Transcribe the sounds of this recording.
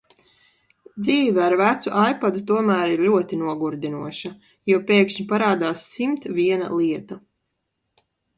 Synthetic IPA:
d̪ziːvɛaɾvæt̪suʔajpad̪ut̪uɔmæːɾiɾʎuɔt̪inuɔɡuɾd̪inuɔʃa | jupʲeːkʃɲipaɾaːd̪aːsːimt̪vʲiɛna̰lˠiɛt̪a

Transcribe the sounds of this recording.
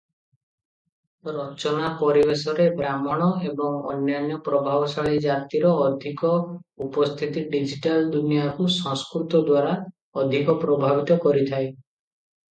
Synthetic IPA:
ɾɔt͡ʃɔnapɔɾibesɔɾebɾamɔɽ̃ɔebɔŋɔ̰njanjɔpɾɔbʱabɔsaɭid͡ʒat̪iɾɔːd̪ʱikɔ | upɔst̪ʰit̪iɖid͡ʒiʈald̪unijakusɔ̃ŋskɾut̪ɔd̪waɾa | ɔd̪ʱikɔpɾɔbʱabit̪ɔkɔɾit̪ʰae

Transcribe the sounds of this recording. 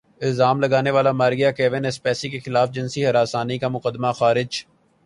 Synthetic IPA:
ɪlzaːmlɐɡaːneʋaːlamaːɾɡijakɛːʋɪnɪspɛːsikexɪlaːfd͡ʒɪnsiɦɐɾaːsaːnikamʊqəd̪maxaːɾɪd͡ʒ

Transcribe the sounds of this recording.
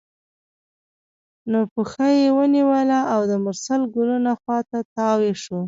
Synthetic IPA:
nopəxajewəniwəlaʔawd̪əmʊɾsalɡulunaxwɑt̪at̪ɑweʂo

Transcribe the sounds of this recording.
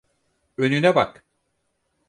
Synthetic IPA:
ønynɛbak

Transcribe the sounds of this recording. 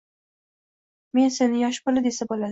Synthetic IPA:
me̞nse̞nɪjɒʃpʊlɪd̪e̞sabolad̪

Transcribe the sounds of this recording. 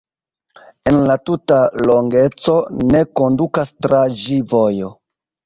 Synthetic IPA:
e̞nlatutaloŋɡe̞t͡so̞ne̞ko̞ndukastɾad͡ʒivojo̞

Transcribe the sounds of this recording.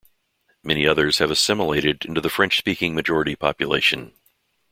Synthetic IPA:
mɛñiʌðə˞z̥ɨvɨsɪməleɪɾɨɾɪ̃ntʉðɨfɹɛ̃nt͡ʃspikɪ̃ŋmɨd͡ʒɔɹɨɾipʰɑ̰pjɨlḛɪʃɨ̃n

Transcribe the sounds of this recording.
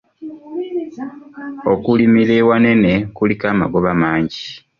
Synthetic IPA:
okulimilewane̞nekulikaːma̰ɡoβamaːɲɟi

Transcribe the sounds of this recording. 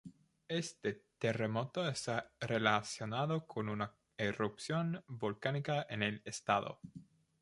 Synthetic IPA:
est̪et̪e̞remot̪oest̪arelasjo̞naðokʰonuna | erupsjonbolkanikaenelest̪aðo̰

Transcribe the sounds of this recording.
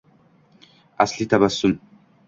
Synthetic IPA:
a̰slit̪abasːun

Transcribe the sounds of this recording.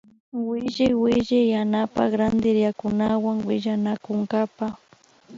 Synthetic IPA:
wɪʒɪjwɪʒajanapa̰kɾand̪ɪɾjakʊnawaŋwɪʒanakʊŋɡapa

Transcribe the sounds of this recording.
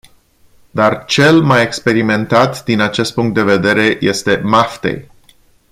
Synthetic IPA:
d̪art͡ʃe̞lmaje̞kspe̞ɾime̞nt̪at̪d̪inat͡ʃe̞st̪puŋkt̪d̪e̞ve̞d̪e̞ɾe̞je̞st̪e̞maft̪ḛj

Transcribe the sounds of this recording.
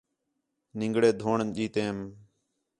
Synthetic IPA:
nɪŋɡɽeːd̪ʱoːɳʄiːt̪ẽːm

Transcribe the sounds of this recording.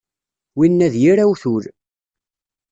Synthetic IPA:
winːæðjiɾæwθuɾ

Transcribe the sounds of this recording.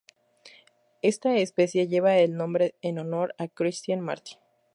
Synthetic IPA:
e̞st̪aespe̞sje̞ʝe̞βaelnõ̞mbɾe̞eno̞no̞ɾakɾist̪janma̰ɾt̪i̥

